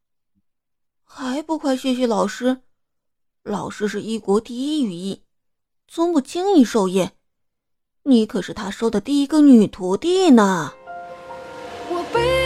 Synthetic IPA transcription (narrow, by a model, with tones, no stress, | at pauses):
xa˧˥ɪpu˧˥kʰwa˥˩ɪɕɥɛ˧˥ɕ̬ɛ˧˥lɑ˨˩ʊʂɻ̩˥ | lɑ˨˩ʊʂɻ̩˥ʂɻ̩˥˧i˥˩kwɔ˧˥t̪i˥˧i˥y˨˩i˥˩ | t͡sʊ˥ŋpu˥˩t͡ɕi˥ŋi˥˧ʂo˥˧ʊjɛ˥˩ | ni˧˥kʰɤ˨˩ʂɻ̩˥˩t̪ʰa˥ʂo˥ʊd̪ə˨t̪i˥˩i˧˥ɡə˧ny˨˩t̪ʰu˧˥t̪i˥˩nə˨˩˨ | p